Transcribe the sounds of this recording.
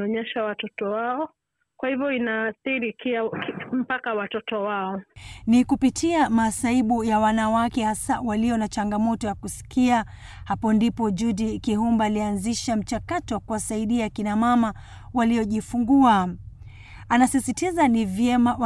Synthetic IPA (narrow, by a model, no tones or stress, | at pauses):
ɔɲɛʃawatɔtɔwaɔ | kwahivɔinaːθiɾikiam̩pakawatɔtɔwaɔnikupitʰiamasaiɓujawanawakɛhasawaliɔnat͡ʃaŋɡamɔtɔjakusi̥kʰia | hapɔndipɔd͡ʒudikiɦumbaːlianziʃam̩t͡ʃakatɔwakuwasaiɗiakinamama | waliɔʄifuŋɡua | anasisitizanivjɛmaw